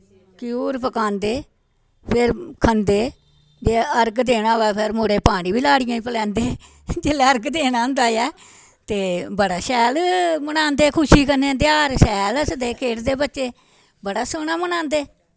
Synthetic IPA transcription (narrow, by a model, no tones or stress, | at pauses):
kɪjuːɾpəkãːnd̪eː | pʰɪɾkʰənd̪eː | d͡ʒeːəɾɡd̪eːnaːʋɛːpʰɪɾmoːɽeːpaːɽ̃ĩːbiːlaːɽɪjãːĩpəlɛ̃ːnd̪eː | d͡ʒeːlɛːəɾɡd̪eːnaːʊ̃nd̪aːjɛː | t̪eːbəɽaːsɛːlmənãːnd̪eːkʰʊʃiːkəneːd̪jaːɾsɛːləsd̪eːkʰeːʈd̪eːbətːt͡ʃeː | bəɽaːsəːɳaːmənãːnd̪eː